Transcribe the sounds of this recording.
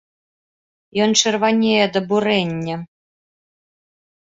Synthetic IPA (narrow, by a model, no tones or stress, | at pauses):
jɔnt͡ʂɛrvanʲejɛd̪ɐbuɾɛnʲːɐ